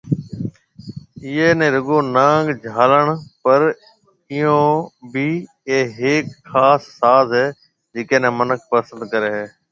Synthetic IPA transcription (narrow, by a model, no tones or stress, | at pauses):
ɪːeːnẽːɾʊɠõːnãːɡd͡ʒʱaːləɳ̃pəɾ | ɪjõːbʱiː | eːɦeːkxaːsːaːzɦɛː | d͡ʒeːkẽːnẽːmənək̚ʰpəsə̃nd̪kəɾeːɦeː